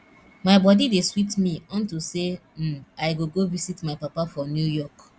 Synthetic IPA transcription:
maɪbɔdideswitmĩɔ̃ntusem̩ajɡoɡovisitmaɪpapafɹɔ̃njujɔk

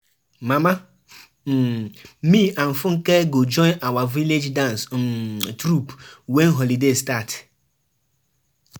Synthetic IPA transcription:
mama | miãɱ̩fʊŋ̩keɡod͡ʒɔ̃ɪnawaviled͡ʒdãns | tɾupwen̩ɦɔlidestat

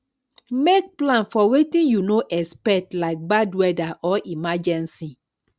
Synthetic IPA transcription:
mek̚plãnfɔwetĩnjunoʔɛspɛtlaɪk̚badwɛdaʔɔʔimad͡ʒɛ̃nsi

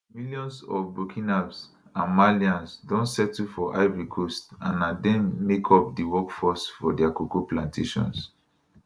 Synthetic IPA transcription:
miljɔ̃nsɔ̰fbɹokʰĩnabs | ãnmaliãnsdɔ̃ntsɛtufɔʔaɪvɹikʰɔstãnadɛ̃mːekʰɔp̚diwɔkfɔsfɔdɛakukuplãntʰeʃɔ̰̃ns

